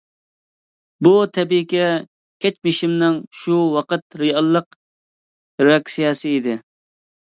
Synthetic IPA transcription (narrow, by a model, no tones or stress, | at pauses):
but̪ʰɛbikʲɛ | kʲʰɛt͡ʃmɪʃimnɪŋʃuwɑqət̪̚ɾɨjɑlˠːəq | ɾoɑkʲsijɑːsɨid̪ɪ